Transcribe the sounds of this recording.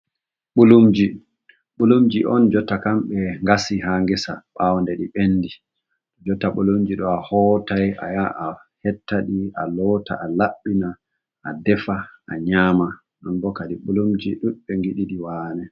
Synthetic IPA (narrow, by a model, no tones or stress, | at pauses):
ɓulumd͡ʒi | ɓulumd͡ʒiʔɔnd͡ʒɔtːakamɓɛŋɡasiɦaŋɡɛsa̰ɓawɔndɛɗiɓenːdi | ɗɔd͡ʒɔtːaɓulumd͡ʒiɗɔahɔtaja̰jaʔa | hɛtːaɗia̰lɔta̰ʔalaɓːina | ʔadɛfaaɲaːma | ɗɔnbɔkadiɓulumd͡ʒiɗuɓɛŋɡiɗiɗiwaːnɛ